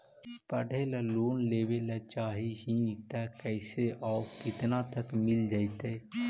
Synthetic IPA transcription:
pəɖʱelaloːnleːwelət͡ʃaːɦiɦĩt̪ɛkɛɪseʔɔːɾkɪt̪nat̪əkmɪld͡ʒaːit̪eː

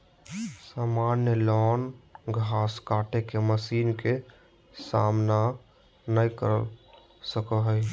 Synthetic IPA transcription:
saːmanjəlɔːnɡʱaːskaːʈekeməsiːnke | sa̰mna | nəjkə̰ɾə | səkəɦəj

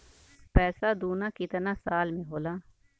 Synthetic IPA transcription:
pɛːsaːd̪uːnaːkɪt̪naːsaːlmẽɦoːlaː

